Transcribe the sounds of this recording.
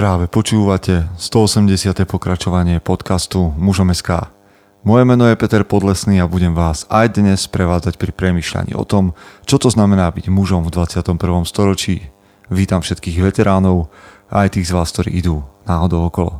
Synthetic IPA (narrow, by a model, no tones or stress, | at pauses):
pɾaːʋɛpɔt͡ʃuːʋacɛst̪ɔɔsɛmɟɛsɪat̪ɛpɔkɾat͡ʃɔʋaɲɪɛpɔt̪kast̪umuʒɔmɛska̰ː | mɔjɛmɛnɔjɛpɛt̪ɛɾpɔd̪lɛsniːabuɟɛmʋaːzajd̪ɲɛspɾɛʋaːd͡zacpɾipɾɛmiːʃʎa̰ɲḭːʔɔ̰t̪ɔmt͡ʃɔt̪ɔznamɛnaːbiɟmuʒɔmvd̪ʋat͡sɪat̪ɔmpr̩ʋɔmst̪ɔɾɔt͡ʃiː | ʋiːt̪amfʃɛt̪kiːɣʋɛt̪ɛɾaːnɔʊ | ajt̪iːɣzʋaːsk̚t̪ɔɾḭːid̪uːnaːɦɔd̪ɔʊɔkɔlɔ̰